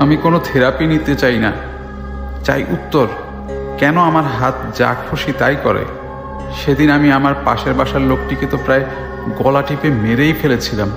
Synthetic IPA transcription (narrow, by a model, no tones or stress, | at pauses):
amikonot̪ʰeɾapinit̪et͡ɕajna̰ | t͡ɕa̰jʔut̪ːoɾ | kɛnoamaɾɦat̪d͡ʑa̰kʰːoʃit̪ajkɔɾḛ | ʃed̪inamiamaɾpa̰ʃeɾbaʃaɾlok̚ʈiket̪opɾae | ɡɔlaʈipemeɾejfelet͡ɕʰilam